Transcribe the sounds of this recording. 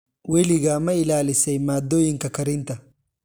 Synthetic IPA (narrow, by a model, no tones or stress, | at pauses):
wɛlɪɣaːmɐɪlaːlɪsɛjmaːd̪ːoːjɪŋkɐkɐɾɪnt̪ɐ